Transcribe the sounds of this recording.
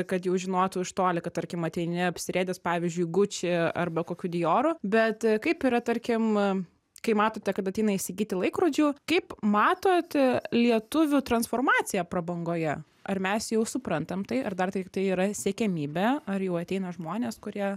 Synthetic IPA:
kɐt̪jɛʊʒʲɪnoːt̪ʊɪʃt̪oːlʲɪkɐt̪ɐɾʲkʲɪmɐt̪ʲɛɪnʲɪɐpʲsʲɪɾʲeːd̪ʲɛspɑːʋʲiɪzʲd͡ʒʲʊɪɡʊt͡ʃʲɪɐ̰rbɐkoːkʲud̪ʲɪjoːɾʊbʲɛt̪kɐɪpiːɾɐt̪ɐɾʲkʲɪm | kɐɪmɑːt̪oːt̪ʲɛkɐt̪ɐt̪ʲɛɪnɐɪʃʲsʲɪɡʲiːt̪ʲɪlˠɐɪkɾoːd͡ʒʲuːkɐɪpmɑːt̪oːt̪lʲiɛt̪ʊʋʲʊt̪ɾɐnsfoːrmɑːt͡s̪ʲɪjɛpɾɐbɐŋɡoːjɛ | ɐrmʲɛsjɛʊsʊpɾɐnt̪ɐmt̪ɐɪʔɐrd̪ɐrt̪ʲɪkt̪ɐɪiːɾɐsʲɛkʲɛmʲiːbʲɛɐrjɛʊɐt̪ʲɛɪnɐʒmoːnʲeːskʊɾʲiɛ

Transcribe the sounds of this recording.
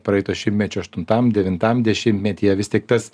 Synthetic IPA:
pɾɐɛɪt̪oːʃʲɪmʲtʲmʲɛt͡ʃʲʊɐʃt̪ʊnt̪ɐmd̪ʲɛʋʲɪnt̪ɐmd̪ʲɛʃʲɪmʲt̪ʲmʲɛt̪ʲiːɛʋʲɪst̪ʲiɛk̚t̪ɐs

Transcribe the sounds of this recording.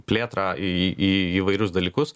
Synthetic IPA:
pʲlʲeːt̪ɾɑːiːiːʋɐɪɾʲʊsd̪ɐlʲiːkʊs

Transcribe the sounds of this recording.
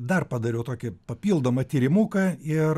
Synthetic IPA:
d̪ɐrpɐd̪ɐɾʲɛʊt̪oːkʲɪpɐpʲiːlˠd̪oːmɐt̪ʲiːɾʲɪmuːkɐɪr

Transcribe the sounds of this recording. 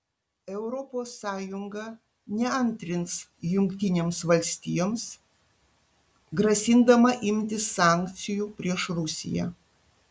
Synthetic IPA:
ɛʊɾɔpoːsːɑːjʊŋɡɐ | nʲɛɐnʲt̪ʲɾʲɪnsjʊŋʲkt̪ʲɪnʲeːmsʋɐlʲsʲt̪ʲijoːms | ɡɾɐsʲɪnd̪ɐmɐʔɪmʲt̪ʲɪsːɑˑŋʲkt̪sʲɪjupʲɾʲiɛʃɾʊsʲɪ̰jɛ̰

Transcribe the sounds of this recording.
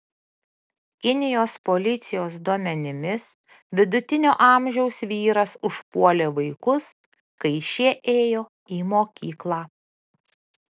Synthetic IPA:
kʲɪnʲɪjoːspolʲɪt̪sʲɪjoːsd̪uɔmʲɛnʲɪmʲɪs | ʋʲɪd̪ʊt̪ʲɪnʲoːʔɑˑmʲʒʲɛʊsʋʲiːɾɐsʊʃpuɔlʲeːʋɐɪkʊs | kɐɪʃʲiɛʔeːjoː | iːmoːkʲiːklˠɑː

